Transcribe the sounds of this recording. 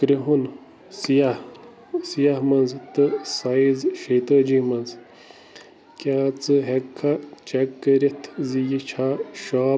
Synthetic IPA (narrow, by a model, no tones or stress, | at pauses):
kɾiɦun | sijah | sijaɦmɐnzt̪ɨsaːizʃeːt̪əːd͡ʒiːmɐnz | kjaːt͡sɨɦekʰːɐt͡ʃekːəɾit̪ʰzijit͡ʃʰaːʃaː